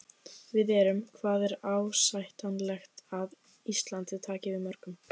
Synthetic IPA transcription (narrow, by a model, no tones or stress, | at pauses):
vɪðɛːɾʏmkʰvaːðɛɾaːwsajht̪anlɛxt̪að | ist̪lant̪ɪt̪ʰaːcɪvɪðmœɾ̥kʏm